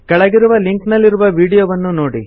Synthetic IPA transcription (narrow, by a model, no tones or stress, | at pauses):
kɛɭɐɡiɾuʋɐliŋknɐlːiɾuʋɐʋiːɽijoːʋɐnːunoːɽi